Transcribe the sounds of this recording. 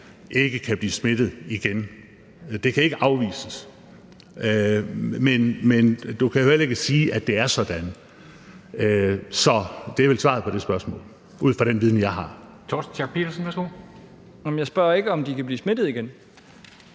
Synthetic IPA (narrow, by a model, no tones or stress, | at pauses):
ʔe̝ɡ̥əkʰæb̥liːsme̝d̥ð̩ˠiɡ̥en | d̥e̝kʰæe̝ɡ̥əʔɑ̈ʊʋḭːsəs | menmend̥ukʰæjoel̰ɐe̝ɡ̥əsiːʔæd̥e̝æɐsɒ̽d̥ænə | øsɒ̽d̥eɐʋelsʋɑ̈ð̩ˠpʰɒ̽ɾ̥e̝sb̥ɶɐsmɔ̰ːl | uð̰ˠfʁɑɾ̥enʋiðˠn̩jɑ̈ɪɦɑ̈ | t͡sʰɒs̩t͡sʰɑ̈ɡ̥̚pʰedɐsnʋæsɡ̥o̝̰ | æm̩jɑ̈ɪsb̥ɶɐ̰e̝ɡ̥əɒ̽md̥ikʰæb̥liːsme̝d̥ð̞̩ˠiɡ̥en